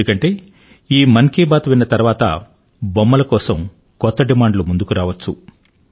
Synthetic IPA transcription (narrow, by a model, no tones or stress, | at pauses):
ukɐɳʈe̞ː | iːmɐŋkiːbaːt̪uʋinːɐt̪ɐɾuʋaːt̪ɐ̰ | bɔmːɐlɐkɔːsɐm | kɔt̪ːɐɖimaːɳɖlomund̪ukuɾaːʋɐt͡ʃːu